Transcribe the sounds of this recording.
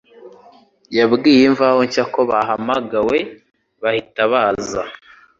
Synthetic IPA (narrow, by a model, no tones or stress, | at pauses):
jabɡiːjeɱvaho̞ɲcako̞βaɦamaɡawe̞ | βahitaβaːza̰